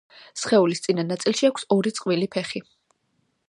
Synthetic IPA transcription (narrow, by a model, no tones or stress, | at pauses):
sχɛulist̪sʼinanːat̪sʼilˠʃiakʷʰsɔɾit̪sʼqʼvilipʰɛχi